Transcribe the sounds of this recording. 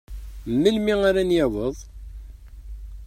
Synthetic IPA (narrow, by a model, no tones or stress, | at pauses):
mːəlmiŋaɾanjæwəðˤ